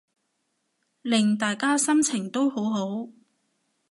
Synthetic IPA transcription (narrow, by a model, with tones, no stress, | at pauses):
lɪ˨ŋt̪aː˨jkaː˥sɐ˥mt͡sʰɪ˨˩ŋt̪o˥who˨˥wɦo˨˥w